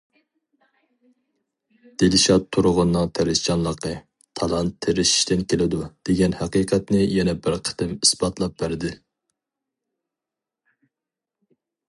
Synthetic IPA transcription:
d̪̥elɪʃɑt̪ʰːuɾʊʁʊnːɨŋt̪ʰæɾɪst͡ʃɑnlˠəqə | t̪ʰɑlˠɑnt̪ʰːeɾɪʃi̥ʃt̪ɪnkʲelɪd̪ud̪̥eɡʲɛnhæqiːqʰɛt̪nɪjɛnɛbɪɾqʰə̥t̪ɪmisbɑt̪lˠɑp̚bæɾɪd̪ɪ

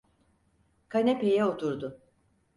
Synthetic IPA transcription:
kʰanʲepʰejɛot̪ʰuɾd̪ʊ

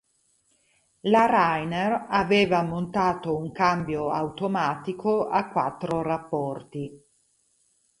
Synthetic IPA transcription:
laɾajneraveːvamont̪aːt̪ouŋkambjoawt̪omaːt̪ikʰoakwat̪ːɾorapːɔrt̪i

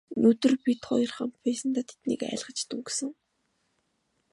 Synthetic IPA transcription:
nɵt̪ɵ̆rpʲit̪χɔ̰j̆rχa̰mt̪pæːsə̆nt̪aːt̪ʰe̥t̪nḭːkæ̰ːɮʁə̆t͡ɕt̪uŋɡsɘ̆ŋ

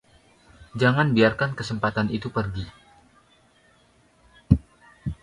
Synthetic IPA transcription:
d͡ʒaŋanbiarkankəsəmpat̪anit̪upərɡi

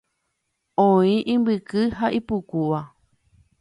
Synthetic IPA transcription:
õĩʔĩmbɨkɨɦaʔipukuʋa

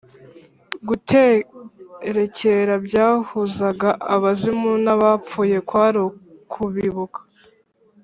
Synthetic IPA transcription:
ɡutʰe | ɾe̞ce̞ɾabɟaːhuzaɡaʔːβazimunaβap͡fuːje̞kwaːɾokʰuβiβukḁ

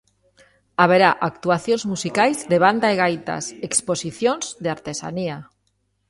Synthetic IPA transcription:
aβ̞eɾaʔakt̪uaθjõnzmusikajzðeβ̞and̪aeɣ̞ajt̪a̰seksposiθjõnz̥ðeaɾt̪esa̰nia

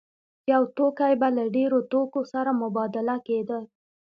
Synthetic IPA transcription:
jawt̪okajbalaɖeɾot̪okosaɾamʊbɑd̪ɪlaked̪əl

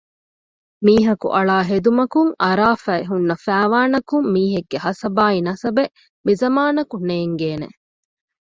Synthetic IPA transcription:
miːɦɐkṵʔɐɭaːɦed̪umɐkuŋʔɐɾaːfæeɦunːɐfæːʋaːnɐkumːiːɦeɡːeɦɐsɐbaːinɐsɐbe | mizɐmaːnɐkuneːŋɡeːnḛ

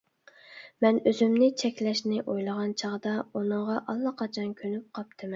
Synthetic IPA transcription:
mɛnøzymnɪt͡ʃʰɛkʲlɛʃnɪʔojlˠəʁɑnt͡ʃʰɑʁd̪ɑunɨɴʁɑʔɑlˠːɑqʰɑt͡ʃʰɑnkʲʰønyp̚qʰɑp̚t̪ʰɨmɛn

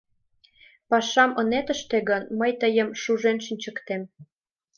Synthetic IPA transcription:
pɑʃɑmənet̪ə̆ʃt̪eɣənməjt̪əjəmʃuʒenʃinʲt͡ɕə̆kt̪em

